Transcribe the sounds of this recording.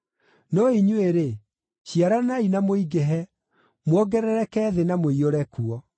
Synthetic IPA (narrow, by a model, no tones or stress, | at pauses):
nɔiɲweɾe | ɕiaɾanainamoiɡɛɦɛ | mwɔɡɛɾɛɾɛkɛːðenamoioɾɛkuɔ